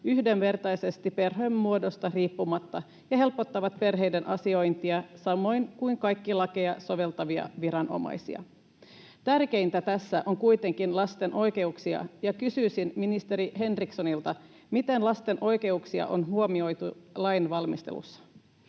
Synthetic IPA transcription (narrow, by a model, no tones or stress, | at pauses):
yhde̞nʋe̞rt̪ɑjse̞st̪ipe̞rɦømːuodo̞st̪ɑriːpːumɑt̪ːɑ | jɑɦe̞lpo̞t̪ːɑʋɑt̪pe̞rɦe̞jdenʔɑsio̞jnt̪iɑsɑmo̞jnkuiŋkɑjkːilɑkejɑso̞ʋe̞lt̪ɑʋiɑ̰ʋiɾɑnʔo̞̰mɑ̰jsḭɑ̰ | t̪ærke̞ijnt̪æt̪æsːæʔo̞ŋkujt̪e̞ŋkinlɑst̪e̞nʔo̞jke̞uksiɑ̰jɑkysyːsinminist̪e̞ɾiɦe̞nrikso̞nilt̪ɑ | mit̪e̞nlɑst̪e̞nʔo̞jke̞uksiɑ̰ʔo̞̰nɦuomio̞jt̪ulɑjnʋɑlmist̪ḛlṵsːɑ̥